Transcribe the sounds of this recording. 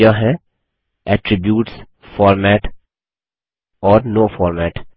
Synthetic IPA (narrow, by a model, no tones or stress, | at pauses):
jaɦɛ̃ | ɛːʈɾɪbjuːʈs | fɔːɾmɛːʈ | ɔːɾnoːfɔːɾmɛːʈ